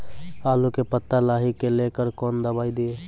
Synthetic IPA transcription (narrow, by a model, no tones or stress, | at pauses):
aːlukepət̪ːalaːɦikelekəɾkɔːnd̪əbaːid̪ie